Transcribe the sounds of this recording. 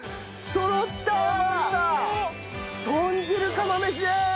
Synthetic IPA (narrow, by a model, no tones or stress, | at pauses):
sonot̪ːa | t̪oɲd͡ʑiɾɯkamameɕ̬id̪e